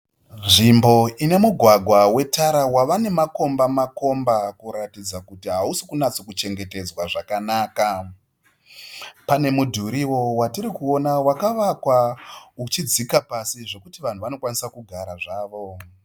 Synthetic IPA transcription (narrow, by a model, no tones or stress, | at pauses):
nʐimbo̞ine̞muɡʱwaɡʱwawe̞tʰaɾawaʋane̞mako̞mbamako̞mbakuɾatid͡zakutiɦausi̥kunat͡sokut͡ʃe̞ŋɡe̞te̞d͡zwaʐakanaːka | pane̞mudʱuɾiwo̞watiɾikuo̞nawakaʋakwaut͡ʃid͡zikapasiʐe̞kutiʋan̤uʋano̞kwanisakuɡʱaɾaʐaːʋo̞